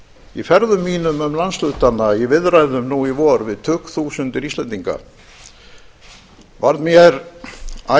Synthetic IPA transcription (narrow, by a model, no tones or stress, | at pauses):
ɪ̰fɛɾðʏmːiːnʏmʏmlanslʏt̪anːajɛvɪðrajðʏmnuivɔɾvɪðt̪ʰʏhkθuwsʏnt̪ɪɾist̪ɛnt̪iŋka̰ | vaɾnmjɛɾ | a